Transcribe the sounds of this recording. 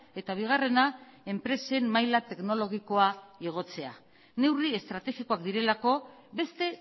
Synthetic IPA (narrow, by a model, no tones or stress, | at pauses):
e̞t̪aβ̞iɣ̞are̞nae̞mpɾe̞se̞mmːajlat̪e̞kno̞lo̞ɣiko̞aeɣ̞o̞t͡se̞a̰ | ne̞wrie̞st̪ɾat̪e̞xiko̞akd̪iɾe̞lako̞ | be̞st̪e̞